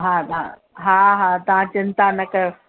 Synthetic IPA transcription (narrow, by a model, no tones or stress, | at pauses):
ɦãːt̪ɐã̰ | ɦaːɦaːt̪ɐʋ̤ãt͡ɕɪnt̪anɐkɐjo